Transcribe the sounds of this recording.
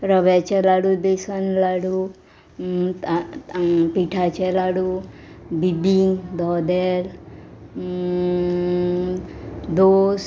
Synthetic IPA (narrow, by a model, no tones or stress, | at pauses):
ɾəʋɛt͡ʃɛlaɽubesənlaɽu | piʈʰat͡ʃɛlaɽubib̪iŋd̪ʱɔd̪el | d̪os